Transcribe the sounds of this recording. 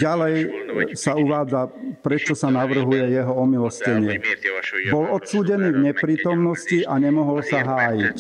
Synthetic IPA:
ɟalɛjsauʋaːd͡zapɾɛt͡ʃɔsanaʋr̩ɦujɛjɛɦɔɔmilɔscɛɲɪɛ | bɔlɔt̪suːɟɛniːvɲɛpɾiːt̪ɔmnɔsciʔaɲɛmɔɦɔlsaɦaːjic

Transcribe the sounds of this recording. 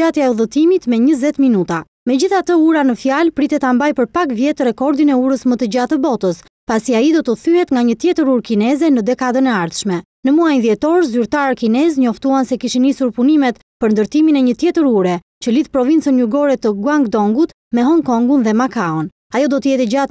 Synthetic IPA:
at̪jaɛuðət̪imit̪mɛɲəzɛt̪minut̪a | mɛd͡ʑiθat̪əuɾanəfjalpɾit̪ɛt̪ambajpəɾpakvjɛt̪əɾɛkɔɾd̪inɛuɾəsmət̪əd͡ʑat̪əbɔt̪əs | pasiaid̪ɔt̪əθyɦɛt̪ŋɡaɲət̪jɛt̪əɾuɾkinɛzɛnəd̪ɛkad̪ənɛaɾθʃmɛ | nəmuajnðjɛt̪ɔɾzyɾt̪aɾkinɛzɲɔft̪uansɛkiʃinisuɾpunimɛt̪ | pəɾnd̪əɾt̪iminɛɲət̪jɛt̪əɾuɾɛ | t͡ɕəliθpɾɔvint͡sənjuɡɔɾɛt̪əɡuaŋɡd̪ɔŋɡut̪ | mɛɦɔŋkɔŋɡunðɛmakaɔn | ajɔd̪ɔt̪əjɛt̪ɛd͡ʑat̪

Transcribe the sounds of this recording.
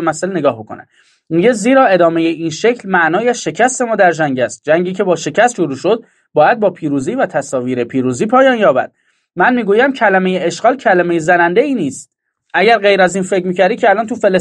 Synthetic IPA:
mæselneɡɒːhbokʰo̰næ̰ | miɟe̞ziːɾɒːe̞d̪ɒːme̞jeʔiːnʃecʰlmæʔnɒːjæʃe̞cʰæst̪e̞mɒːd̪æɾd͡ʒæŋɟæst̪̚d͡ʒæŋɟiːcʰe̞bɒːʃe̞cʰæst̪ʃoɾuːʃo̞d̪̥̚ | bɒːjæd̪̚bɒːpʰiːɾuːziːvæt̪ʰæsɒːviːɾe̞pʰiːɾuːziːpʰɒːjɒːnjɒːbæ̰d̪̥̚ | mænmiːɡuːjæmcʰælæme̞jeeʃɡ̥ɒːlcʰælæme̞jezænænd̪e̞iːniːst̪ | ʔæɟæɾɢe̞jɾæziːnfe̞cʰmiːcʰæɾd̪icʰeælɒːnt̪ʰufele

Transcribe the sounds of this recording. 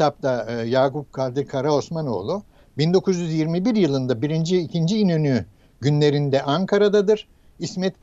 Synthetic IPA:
ap̚t̪ʰajaːkup̚kʰalʲd̪ɯkʰaɾao̞smano̞̰ːlˠu | bind̪o̞kʰuzjyzjiɾmibiɾjɯlˠɯnd̪abiɾind͡ʒiːcʰind͡ʒiːnøny | ɟynlʲe̞ɾind̪ɛʔaŋkʰaɾad̪ad̪ɯɾ̥ | ismɛt̪b

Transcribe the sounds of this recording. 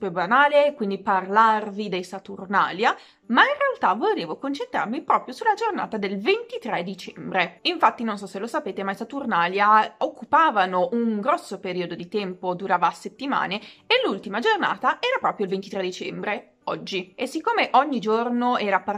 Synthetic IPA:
pebanaːlekwind̪iparlarvid̪ejsat̪urna̰ːlja | mainrealt̪avoleːvokont͡ʃent̪ɾa̰rmipɾɔːpɾjosulːad͡ʒorna̰ːt̪ad̪elvent̪it̪ɾɛd̪it͡ʃɛmbɾeiɱfat̪ːinonsɔsːelːosapeːt̪emajsat̪urnaːljaokːupaːvanoʔuŋɡɾɔsːopeɾiːod̪od̪it̪ɛmpod̪uɾaːvaset̪ːima̰ːneelːult̪imad͡ʒorna̰ːt̪aʔɛːɾapɾɔːpɾjoilvent̪it̪ɾɛd̪it͡ʃɛmbɾe | ɔd͡ʒːiesikːoːmeʔɔɲːid͡ʒornoɛːɾapa

